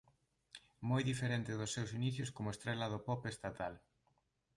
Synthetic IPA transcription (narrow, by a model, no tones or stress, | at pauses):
mɔjðifeɾent̪ɪðʊsːewsiniθjʊskomʊest̪ɾɛlɐðʊpɔpest̪at̪al